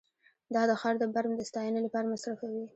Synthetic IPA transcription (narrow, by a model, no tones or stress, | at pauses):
d̪ɑd̪əxɑɾd̪əbaɾmd̪əst̪ɑjənelapɑɾamasɾafawi